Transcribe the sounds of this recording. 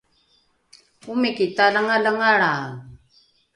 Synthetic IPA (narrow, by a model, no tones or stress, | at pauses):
ʊmɪkɪt̪alaŋalaŋaɽaːŋ